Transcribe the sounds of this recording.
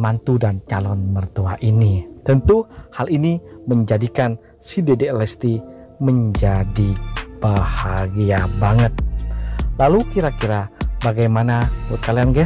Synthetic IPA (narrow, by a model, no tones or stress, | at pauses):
mant̪udant͡ʃalɔnmərt̪uaʔinit̪ənt̪uhaliniməɲd͡ʒadikan | sidedeɛlɛst̪i | məɲd͡ʒadib̥ahaɡiabaŋət̪̚ | lalukiɾakiɾabaɡajmanaut̪̚kalianɡɛ